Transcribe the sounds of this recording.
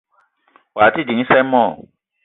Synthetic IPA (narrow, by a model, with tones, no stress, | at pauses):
wa˨ti˦dĩ˨ŋĩ˦sɛ˦mɔ̃˦˨